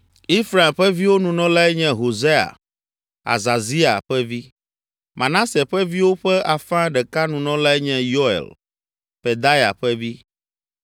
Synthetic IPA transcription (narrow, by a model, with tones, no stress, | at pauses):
i˦fɾa˨mɸɛ˦vi˦wo˦nũ˨nɔ̃˦la˦ɛ˦ɲɛ̃˦ɦo˨ze˦a̰˨ | a̰˨za˨zi˦a̰˨ɸɛ˦vi˦ | mʔã˨nã˦sɛ˨ɸɛ˦vi˦wo˦ɸɛ˦a˨fã˦ɖɛ˨ka˦nũ˨nɔ̃˦la˦ɛ˦ɲɛ̃˦jo˦ɛ̰˨l | pɛ˨d̪a˦ja̰˨ɸɛ˦vi˦